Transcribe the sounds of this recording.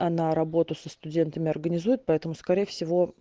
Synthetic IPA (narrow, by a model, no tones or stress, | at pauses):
ɐnaɾɐbo̞t̪ʊsəst̪ʊdʲe̞nt̪əmʲɪɐrɡənʲɪzujɪt̪̚pɐɛt̪əmʊskɐɾʲejəfsʲɪvo̞